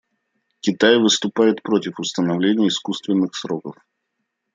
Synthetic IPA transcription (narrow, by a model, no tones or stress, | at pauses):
kʲɪt̪ajvɨst̪ʊpajɪt̪pɾo̞tʲɪfʊst̪ənɐvlʲenʲɪjəɪskust̪vʲɪnːɨxsɾo̞kəf